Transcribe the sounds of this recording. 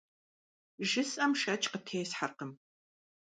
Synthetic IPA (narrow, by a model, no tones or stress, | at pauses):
ʒɨsʼʔɐmʃɐt͡ʃʼqətʰeːsħarqəm